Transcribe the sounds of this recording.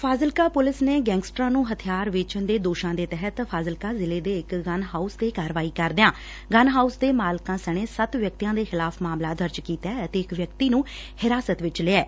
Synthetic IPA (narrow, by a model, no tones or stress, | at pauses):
pʰaːzəlkaːpʊlɪsneːɡɛ̃ːŋɡsʈɾãːnũːɦət̪ʰijaːɾʋɪt͡ʃənd̪eːd̪oːʃãːd̪eːt̪ɛɦət̪pʰaːzəlkaːzɪleːd̪eːɪkɡənɦaːusd̪eːkaːɾʋaːiːkəɾd̪ɪãː | ɡənɦaːusd̪eːmaːlkãːsəɽ̃eːsət̪ʋjək̚t̪ijãːd̪eːxɪlaːpʰmaːmlaːd̪əɾd͡ʒkiːt̪ɛːət̪eːɪkʋjəkt̪iːnũː | hɪɾaːsət̪ʋɪt͡ʃleːɛː